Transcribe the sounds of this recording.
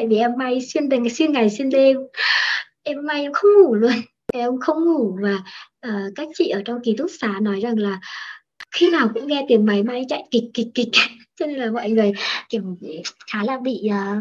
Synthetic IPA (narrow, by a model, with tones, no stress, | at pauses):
t̪a̰˧˨jvi˨˩ʔɛ˧mːa˧jswi˧nɗ̪swi˧nŋa˨˩jswi˧nt̪e˧m | ʔɛ˧mːa˧jʔɛ˧wŋ͡mxə˧wŋ͡mŋu˧˩lu˧ən | va˨˩jʔə˧wŋ͡mxə˧wŋ͡mŋu˧˩vaː˨˩ʔəː˨˩kaː˦˥k̚t͡ɕḭ˧˨ʔəː˧˩t͡ɕɔ˧wŋ͡mki˨˦t̪ʰʊ˦˥k̚saː˨˦nɔ˨˦jza˨˩ŋlaː˨˩ | xi˧naː˨˩wkʊ̰˧˥ŋ͡mŋɛ˧t̪i˨˩əmma˨˦jma˧jt͡ɕa̰˧˨jkï˨˩k̟̚kːi˨˩k̟̚ki˨˩k̟̚t͡ɕɔ˧ne˧nlaː˨˩mɔ̰˧˨jŋɨ˨˩əjki˧˩əmxaː˨˦laː˨˧˩ɓḭ˧˨əː˨˩